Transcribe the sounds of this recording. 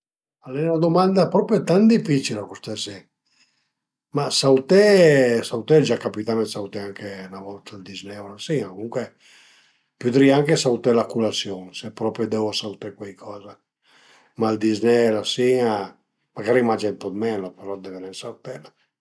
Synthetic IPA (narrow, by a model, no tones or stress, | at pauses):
alːɛnad̪omand̪apɾɔːpɾjɔt̪and̪ifit͡ʃilakust̪ɛsɛ | masawt̪ɛsawt̪ɛd͡ʒakːapit̪amɛsawt̪ɛaŋkenavɔlt̪ald̪iznɛwlasiŋakomuŋkwe | pud̪ɾiaaŋkesaut̪ɛlakulasjɔŋsɛpːɾɔpɾjɔd̪ɛwasawt̪ɛkwajkʰɔːza | mald̪iznɛlasiŋa | maɡaɾimad͡ʒɛnt̪ɔt̪mɛlapɛɾɔd̪ɛvɛnɛnsawt̪ɛla